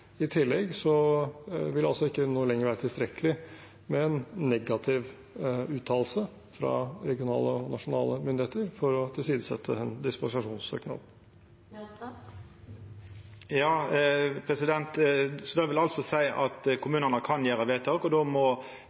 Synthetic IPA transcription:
ɪt̪ʰɪlːɛɡsɔ | ʋɪlɑlsɔɪkːənoːlɛŋːəɾʋæːɾət̪ʰɪlst̪ɾɛkːəlɪ | mɛɛnːɛɡɑt̪ʰɪʋ | ʉːt̪ʰɑːll̩sə | fɾɑ̰ɾɛɡɪʊnɑ̰ːləɔnɑʂʊnɑːləmʏnd̪ɪheːt̪əɾfɔɾɔt̪ʰɪlsiːd̪əsɛ̰t̪ʰːə̰ɛnd̪ɪspɑsɪɑʂuːnsø̰ːknɑ̰d̪ | jɑːpʰɾɛsɪd̪ɛnt̪sɔd̪ɛʋɪlɑlsɔsæɪʔɑt̪kʰʊmʉːnənəkʰɑnjæːɾəʋeːt̪ʰɑkɔd̪ɔmɔ

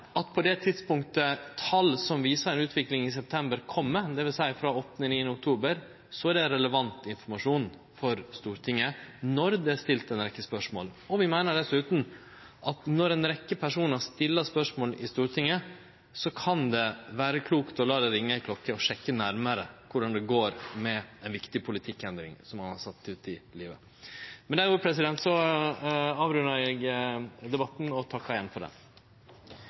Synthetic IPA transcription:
ʔɑt̪pʰɔd̪ɛt̪ʰɪd̪spʊŋkt̪ət̪ʰɑlsɔmʋiːsəɾɛnʉːt̪ʰʋɪklɪŋɪs̬ɛp̚t̪ʰɛmbəɾkʰɔmːəd̪ɛʋɪlsæɪfɾɑɔt̪ːnɪniːənəʊk̚t̪ʰuːbəɾ | sɔæɖɛɾɛləʋɑnt̪ɪnfɔɾmɑʂuːn | fɔɾst̪uːɾt̪ʰɪŋːənɔɾd̪ɛæʂt̪ɪlt̪ɛnɾɛkːəspœʂmo̰ːlɔʋɪmæɪnəɖɛsʉːt̪n̩ | ʔɑt̪nɔɾɛnɾɛkːəpʰæʂuːnɑʂt̪ɪlːəspœʂmoːlɪst̪uːɾt̪ʰɪŋːə | sɔkʰɑnd̪ɛʋæːɾəkʰluːkt̪ɔlɑːd̪ɛɾɪŋːəɪkʰlɔkːəɔʂɛkːənæɾməɾəkʰʊɖɑnd̪ɛɡoːɾmɛɛnʋɪkt̪ɪpʰʊlɪt̪ʰɪkːɛnd̪ɾɪ̰ŋsɔmɑnhɑsɑt̪ːʉːt̪ɪliːʋə̰ | mɛnd̪ɛɾʊːpʰɾɛs̬ɪd̪ɛnt̪sɔ | ɑːʋɾʉnəɾɛɡd̪ɛbɑt̪ːn̩ɔt̪ʰɑkːɑɪjɛnfɔɖɛ̰m

